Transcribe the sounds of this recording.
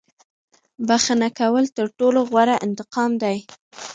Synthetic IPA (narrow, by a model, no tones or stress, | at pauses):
baxənakawəlt̪əɾʈoloɣwaɾaʔɪnt̪ɪqɑmd̪aj